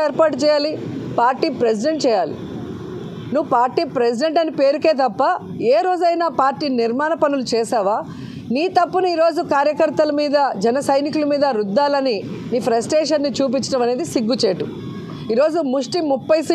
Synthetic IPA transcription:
eːɾpaːʈut͡ʃɛːjaːlipaːɾʈiːpɾes̬iɖe̞ɳʈ̚t͡ʃɛːjaːlḭ | nuʋːupaːɾʈiːpɾes̬iɖe̞ɳʈɐnipe̞ːɾuke̞ːt̪ɐpːɐ | eːɾo̞ːd͡ʒɐjnaːpaːɾʈiːniɾmaːnɐpɐnulut͡ʃɛːsaːʋaː | niːt̪ɐpːunuiːɾo̞ːd͡ʒukaːɾjɐkɐɾt̪ɐlɐmiːd̪ɐd͡ʒɛnɐsɐjnikulɐmiːd̪ɐɾud̪ːaːlɐniniːpʰɾɐsʈeːʂɐnːit͡ʃuːp̬it͡ʃːɐʈɐmɐne̞ːd̪isiɡːut͡ʃeːʈu | iːɾo̞ːd͡ʒumuʂʈimupːɐjsi

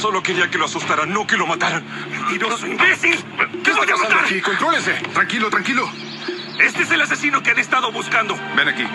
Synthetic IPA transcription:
so̞lo̞keɾiake̞loasust̪aɾanːo̞kelo̞mat̪aɾan | inoosimbesilkeβajamaaðaɾkikont̪ɾoleset̪ɾaŋkilot̪ɾaŋkilo | e̞st̪eese̞las̬e̞sinokeanest̪aðo̞βuskand̪o̞benakḭ

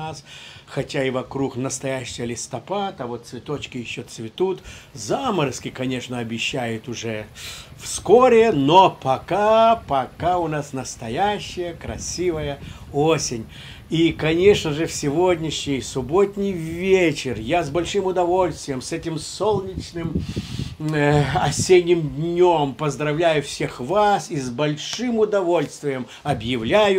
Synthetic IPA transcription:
asxɐtʲaɪvɐkɾuknəst̪ɐjæɕːɪjəlʲɪst̪ɐpat̪ɐvot̪̚svʲɪt̪o̞t͡ɕkʲɪjɪɕːot̪svʲɪt̪ut̪zaməɾskʲɪkɐnʲe̞ʂnəɐbʲɪɕːæjʊt̪ʊʐɛfskoɾʲɪnopɐkapɐkaʊnasnəst̪ɐjæɕːɪjəkɾɐ̰sʲivəjəosʲɪnʲ | ikɐnʲe̞ʂnəʐɨfsʲɪvodʲnʲɪɕnʲɪjsʊbot̪ʲnʲɪjvʲet͡ɕɪrjazbɐlʲʂɨmʊd̪ɐvo̞lʲst̪ʲvʲɪjəmsɛtʲɪmsolˠnʲɪt͡ɕnɨm | ɐsʲenʲːɪmd̪ʲnʲompəzd̪ɾɐvlʲæjʊfsʲe̞xvasizbɐlʲʂɨmʊd̪ɐvo̞lʲst̪vʲɪjəm | ɐbjɪvlʲæjʊ

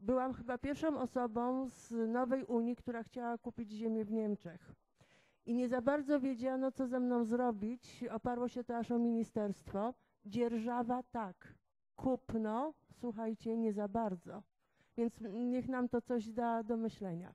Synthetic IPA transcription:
bɘwamxɘbapʲjɛɾfʂɔ̃w̃ɔsɔbɔ̃w̃znɔvɛjʔuɲikt̪uɾaxt͡ɕawakupʲid͡ʑʑemʲjɛvɲɛmt͡ʂɛx | ʔiɲɛzabaɾd̪zɔvʲjed͡ʑanɔt̪sɔzɛmnɔ̃w̃zɾɔbʲit͡ɕɔpaɾwɔɕɛt̪ɔaʂɔmʲiɲist̪ɛɾst̪fɔ | d͡ʑɛɾʐavat̪akːʰ | upnɔswuxajt͡ɕɛɲɛzabaɾd̪zɔ | vʲjɛnt̪sɲɛxnamt̪ɔt̪sɔʑd̪ad̪ɔmɘɕlɛɲa̰

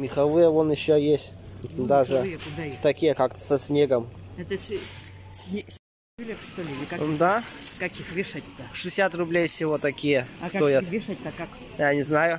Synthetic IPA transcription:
mʲɪxɐvɨjəonɪɕːojesʲtʲd̪aʐɨjkʊd̪at̪ɐkʲijəkak̪sɐsʲnʲeɡəm | ɛt̪əsʲ | sʲnʲe | bʲlʲekʂt̪oɪnʲɪkad̪akɐkʲixvʲɪʂat̚ʲt̪ɐʂɨɪsʲat̪rʊblʲejfsʲɪvot̪ɐkʲijəojaɪʂat̪̚ʲt̪akak | janʲɪznajʊ

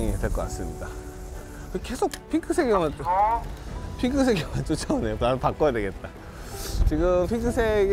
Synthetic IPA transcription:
ŋidwe̞ɭk͈ʌk͈ats͈ɯmɲida | kɯke̞sʰok̚pʰikʰɯsʰeɡjʌmɯn | pʰiŋkʰɯs̬ʰeɡjʌmant͡ɕ͈ot͡ɕʰʌnejonapak͈ʌjadwe̞ɡe̞t̚t͈a | t͡ɕiɡɯmpʰid͡ʑʰɯnsʰeɡ

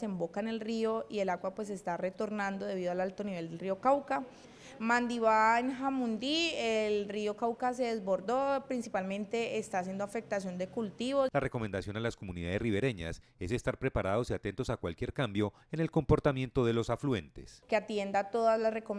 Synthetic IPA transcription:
se̞mbo̞kaene̞lrio̞ie̞laɣwapwe̞s̬e̞st̪are̞t̪o̞ɾnãnd̪o̞ðe̞βiðoalalt̪o̞niβe̞ld̪elrio̞kawka | mand̪iβaenɦamund̪ielrio̞kawkas̬e̞ðe̞zbo̞ɾd̪o̞pɾinsipalmẽ̞nt̪e̞ːst̪as̬je̞nd̪oafe̞k̚t̪asjo̞nd̪e̞kult̪iβo̞lare̞ko̞mẽnd̪asjo̞nalasko̞muniðaðe̞sriβe̞ɾe̞ɲa̰s | e̞se̞st̪aɾpɾe̞paɾaðo̞siat̪e̞nt̪o̞sakwalkje̞ɾkambjo̞ | ene̞lko̞mpo̞ɾt̪amje̞nt̪o̞ðe̞lo̞saflue̞nt̪e̞̰skeat̪je̞nd̪at̪o̞ðazlasre̞kom

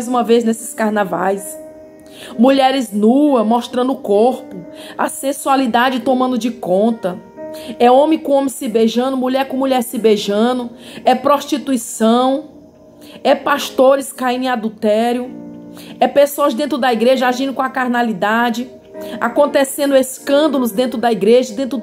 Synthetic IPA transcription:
jzũmɐvejznesɪ̥skaɾnava̰js | muʎɛɾɪznuɐmɔʃt̪ɾɐ̃nd̪ʊkoɾpʊɐ̰sẽsualid̪ad͡ʒɪt̪õmɐ̃nd̪ʊd͡ʒɪkõnt̪ɐ | ɛõmẽkõõmɪ̃sebeʒɐ̃nʊmuʎɛɾkõmuʎɛɾsebeʒɐ̃nʊɛpɾoʃt͡ʃit̪uisɐ̃w̃ | ɛpast̪oɾɪskaĩnẽad̪ut̪ɛɾjʊ | ɛpesoɐzd̪ẽnt̪ɾʊd̪ɐiɡɾeʒɐaʒĩnʊkõɐkaɾnalid̪ad͡ʒɪ | a̰kõnt̪esẽnd̪ʊeskɐ̃nd̪ɐlʊzd̪ẽnt̪ɾʊd̪ɐiɡɾeʒɐd̪ẽnt̪ɾʊ

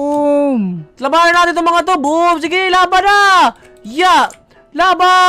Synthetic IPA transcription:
mt̪lɐbaːlɐnaːt̪ɪnt̪ʊŋmɐŋat̪̬oboms̬ɪɡɪlaːbɐna | ja | laːba

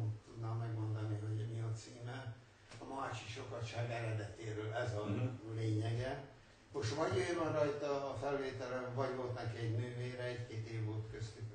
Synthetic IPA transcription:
ut̪ːud̪naːmːɛɡmo̞nd̪ɒniɦo̞ɟmiɒt̪siːmɛ | ɒmaːt͡ʃiʃo̞kɒt̪ʃaːɡɛɾɛd̪ɛt̪eːɾøːlɛzɒleːɲɛɡɛ | moʃt̪ʋɒɟøjmɒɾɒjt̪ɒːfɛlveːt̪ɛlɛvɒɟvo̞lt̪nɛkiɛɟnøːveːɾɛɛckeːt̪eːvːo̞lt̪køst̪yk

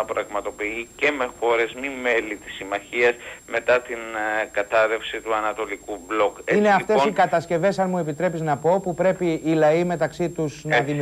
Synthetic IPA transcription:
ɐpɾɐɣmɐt̪o̞piice̞me̞xo̞ɾe̞zmime̞lit̪i̥simɐçiɐsme̞t̪ɐt̪inkɐt̪ɐɾe̞fsit̪uɐnɐt̪o̞likublo̞keineɐft̪e̞osikɐt̪ɐsce̞ve̞sɐnmue̞pit̪ɾe̞piznɐpo̞pupɾe̞piːlɐime̞t̪ɐksit̪uznðim

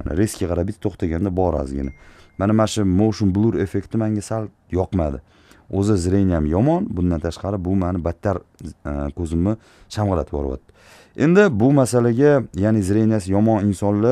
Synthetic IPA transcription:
ana̰ɾe̞skʲiqʰɑɾabɪt̪ʰt̪ːʰoχt̪ʰaɡʲand̪abɒɾa̰zɡʲɪ̰namanamaʃɪmowʃʊmblˠuɾe̞fe̞kt̪ʰɪmaŋɡʲasalˠ | jɒqmad̪ɪ | ozazɾe̞njamjɒmɒnbʊnd̪ant̪ʰaʃqɑɾɪbʊmanɪbat̪ʰːaɾ | kʰɵzɪmːɪ | ʃamʁɨla̰t̪ʰɪbɒ̰ɾwɒ̰t̪ːɪ̥ | e̞nd̪ɪbʊmasalaɡʲajanɪzɾe̞njasɪjɒmɒnɪnsɒnlɪ

